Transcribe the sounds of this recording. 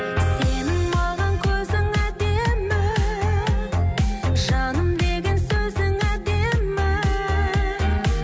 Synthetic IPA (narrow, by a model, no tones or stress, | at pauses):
enɪŋmɑʁɑŋkʲʰɵzɪŋæd̪e̞mɪ | ʒɑnəmd̪e̞ɡʲensɵzɪŋæd̪e̞mmɪ